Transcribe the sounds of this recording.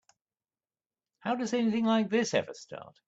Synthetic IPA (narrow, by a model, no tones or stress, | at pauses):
haʊdʌzɛnɪθɪ̃ŋlaɪk̚ðɪsɛ̰vəstɑ̰ˑt̚